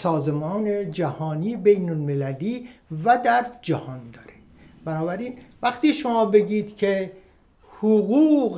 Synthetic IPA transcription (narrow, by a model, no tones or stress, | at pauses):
sɒːzemɒːned͡ʒæhɒːniːbejnolmelæliːvæd̪æɾd͡ʒæhɒːnd̪ɒːɾe | b̥ænɒːbæɾiːnvæxt̪iːʃomɒːbe̞ɟiːd̪̥cʰe | hoɣuːɣ